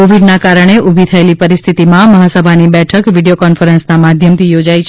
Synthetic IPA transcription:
oʋiɖnakaɾəɳ̃eʔubʱit̪ʰəelipəɾist̪ʰit̪imãməɦasəbʱanibɛʈʰəkʋiɽijokɔnfəɾənsnamad̪ʱjəmt̪ijod͡ʒajt͡ʃʰe

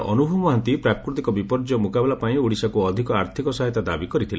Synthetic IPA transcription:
ʔɔnubʱɔmɔɦant̪ipɾakɾut̪ikɔbipɔɾd͡ʒɔmukabɛlapaĩuɽisakuɔd̪ʱikɔaɾt̪ʰikɔsɔɦɛt̪ad̪abikɔɾit̪ʰile

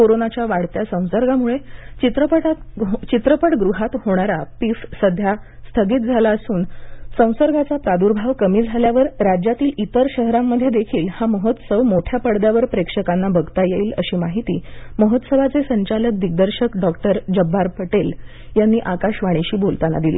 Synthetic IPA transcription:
koɾonat͡ɕjaʋaɽt̪jasə̃w̃səɾɡamuɭet͡ɕit̪ɾəpəʈat̪t͡ɕit̪ɾəpəɽɡɾuɦat̪hoɽ̃aɾapifsəd̪ʱja | st̪ʰəɡiːt̪̚d͡zʱalaəsuːnsə̃w̃səɾɡat͡sapɾad̪uɾbʱaʋkəmiːd͡zʱaljaʋəɾɾad͡ʑjat̪iːlit̪əɾɕəɦɾamːəd̪ʱːjed̪ekʰiːlhaməɦət̪səʋmoʈʰjapəɽd̪jaʋəɾpɾekʂəkanːabəɡt̪ajeiːlə̰ɕiːmaɦit̪iːməɦət̪səʋat͡sesəɲt͡ɕalək̚d̪iɡ̚d̪əɾɕəkɖɔkʈəɾd͡ʑəbʱːaɾpəʈel | janːiːʔakaɕʋaɽ̃iɕiːbolt̪ana̰d̪ilḭ

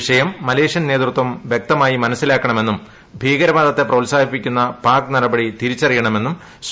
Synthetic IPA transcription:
ʂɐjɐmːɐle̞ːʂɐnneːt̪rut̪wɐmʋjek̚t̪ɐmaːjimɐnɐsːilaːkːɐɳɐme̞nːum | bʱiːɡɐɾɐʋaːd̪ɐt̪ːe̞prɐʋlsaːbʱipːikʲːunːɐpaːknɐɽɐbɐɽit̪iɾit͡ɕːɐrijɐɳɐme̞nːum | s

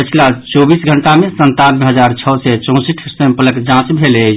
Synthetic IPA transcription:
pət͡ʃʰilat͡ʃobisɡʱəɳʈamẽsənt̪anbeɦəd͡ʒaɾt͡ʃʰəsɛt͡ʃɔ̃siʈʰsə̃mpələkd͡ʒãt͡ʃbʱelɛ

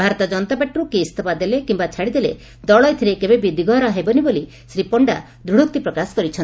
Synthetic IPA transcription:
bʱaɾɔt̪ɔd͡ʒɔnt̪abɛʈːɾukiːst̪ʰɔpad̪elekimbat͡ʃʰaɽid̪ele | d̪ɔɭɔjt̪ʰiɾekebebid̪iɡɔɾɔɦebɔniboli | sɾipɔɳɖa̰ | d̪ɾuɽuk̚t̪ipɾɔkasɔ̥kɔɾit͡ʃʰɔn

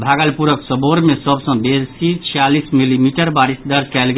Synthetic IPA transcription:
bʱaɡəlpuɾəksəboɾmesəbsə̃besit͡ʃʰijalismilimiʈəɾbaɾisd̪əɾd͡ʒkɛlɡ

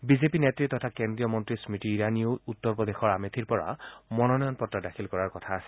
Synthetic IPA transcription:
bizepinetɹit̪ɔt̪ʰakendɹijɔmɔntɹismitiːɹaniout̪ːɔɹpɔd̪exɔɹamet̪ʰiɹpɔɹa̰mɔnɔnɔjɔnpɔtːadakʰilkɔɹaɹkɔt̪ʰaːsɛ̥

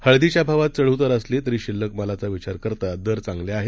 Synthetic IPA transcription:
həɭd̪it͡ɕjabʱaʋat̪̚t͡səɭ̤ət̪əɾəslet̪əɾiːɕilːəkməlat͡saʋit͡ɕaɾkəɾt̪ad̪əɾt͡sãŋɡljaaɦe

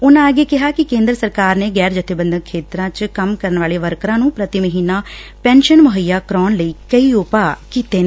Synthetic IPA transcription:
ʊnãəɡeːkɪɦaːkɪkẽːnd̪ɾsəɾkaːɾneːɡɛːɾd͡ʒət̪ʰːɪbə̃nd̪əkʰːeːt̪ɾãːt͡ʃkəmkəɾənʋaːleːʋəɾkɾãːnũːpɾət̪iməɦiːnãːpɛ̃ːnʃənmʊɦəjːaːkɾɔːnləiːkəiːʊpaːkiːt̪eː

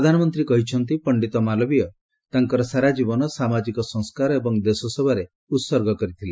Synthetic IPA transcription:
pɾɔd̪ʱanɔmɔnt̪ɾikɔɦit͡ʃʰɔnt̪̬ipɔɳɖit̪ɔmalɔbijɔ | t̪aŋkɔɾɔsaɾad͡ʒibɔnɔsamad͡ʒikɔsɔ̃ŋskaɾɔebɔŋd̪esɔsɔbʱaɾe | ut̪sɔɾɡɔkɔɾit̪ʰile

